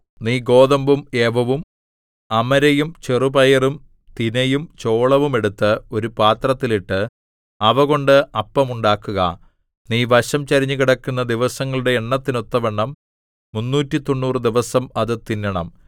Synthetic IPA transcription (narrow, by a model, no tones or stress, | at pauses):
niːɡo̞ːðɐmbume̞ːʋɐʋum | ɐmɐɾɐjumt͡ɕerubɐjɐrum | t̪inɐjumt͡ɕo̞ːɭɐʋume̞ɽut̪ːɨo̞ɾupaːt̪rɐt̪ːiliʈːɨ | ɐʋɐɣo̞ɳɖɨɐpːɐmuɳɖaːkːuɣɐ̰ | niːʋɐɕɐmt͡ɕɐɾiɲːuɣiɽɐkːunːɐd̪iʋɐsɐŋːɐɭuɽe̞ːɳːɐt̪ːino̞t̪ːɐʋɐɳːɐmː | unːuːtːit̪o̞ɳːuːrɨd̪iʋɐsɐmɐðɨt̪inːɐɳɐm